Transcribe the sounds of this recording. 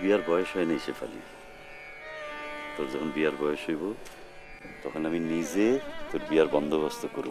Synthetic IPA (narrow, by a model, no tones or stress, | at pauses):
biaɾbɔjoʃɦɔenejʃefa̰lḭ | t̪ɔd͡ʑɔkʰonbiaɾbɔjoʃɦojbo | t̪ɔkʰonaminid͡ʑet̪oɾbiaɾbɔnd̪ʱoβast̪okoɾu